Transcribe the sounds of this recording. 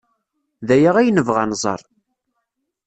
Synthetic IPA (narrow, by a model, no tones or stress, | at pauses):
ðæjaʁæjnəvʁanzˤə̰ɾˤ